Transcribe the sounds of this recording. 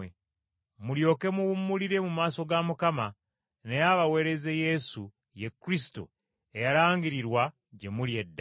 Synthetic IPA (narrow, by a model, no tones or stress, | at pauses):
e | muljo̞ːke̞muwumːuliɾe̞mumaːso̞ɡamukama | nejaβawe̞ːɾe̞ze̞je̞su | jekːɾis̬i̥to̰ | ejaɾaːŋɡiɾiɾwa | ɟe̞muljedːa